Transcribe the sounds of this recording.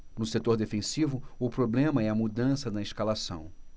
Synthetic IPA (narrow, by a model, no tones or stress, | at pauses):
nʊset̪oɾd̪efẽsivʊʊpɾoblẽmɐɛɐmud̪ɐ̃sɐd̪ɐɪʃkalasɐ̰̃w̃